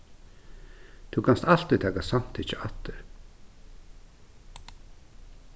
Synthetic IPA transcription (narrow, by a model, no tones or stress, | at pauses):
t̪ʰukʰanst̪al̥t̪ɾit̪ʰaːkasam̥t̪ʰit͡ʃɪat̪ːɪɾ